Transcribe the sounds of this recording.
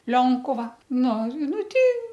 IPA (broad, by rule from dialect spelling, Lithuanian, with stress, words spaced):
ˈlʲoːŋkʊʋɐ ˈnʊ ˈnʊ ˈtʲɛɪ